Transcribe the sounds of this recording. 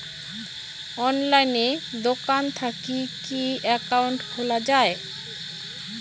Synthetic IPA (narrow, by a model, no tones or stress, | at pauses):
ɔnlajned̪okant̪ʰakikiɛkawɳʈholad͡ʑae